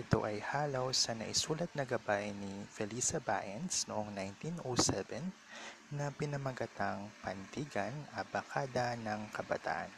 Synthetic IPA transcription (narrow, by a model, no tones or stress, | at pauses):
ʔɪt̪o̞̰ʔɐjhaːlawsɐnɐ̰ʔɪsuːlɐt̪̚nɐɡɐbajnifɛlisɐba̰ʔɛnsnoʔoŋnajnt̪inʔosɛvɛnː | ɐpɪnɐmɐɡɐt̪aŋpɐnd̪iɡɐnɐbɐkʰaːd̪ɐnɐŋkɐbɐ̰t̪a̰ːʔɐ̰n